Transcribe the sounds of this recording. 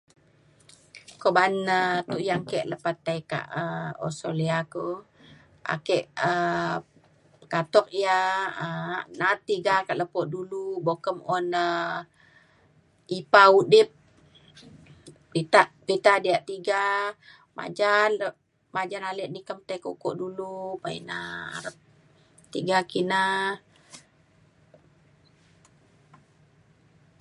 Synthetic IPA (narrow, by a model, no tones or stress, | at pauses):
kɔʔbanət̪uʔjaŋkɛʔləpat̪ːajka̰ʔəɔ̰soliako | ʔa̰kɛʔə | kat̪ɔk̚ijaənat̪ːiɡakaʔləpɔʔ̚dulubokəmɔnə | ipaudɪp̚ | it̪aʔpit̪adiaʔt̪iɡa | ma̰d͡ʒan | mad͡ʒanalɛʔ̚nikəmt̪akukɔ̰ʔdulupaina̰ɾəp̚ | t̪iɡakina